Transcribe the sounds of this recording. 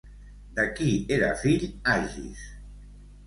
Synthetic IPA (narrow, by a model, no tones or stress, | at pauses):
d̪akieɾa̰fiʎaʒḭs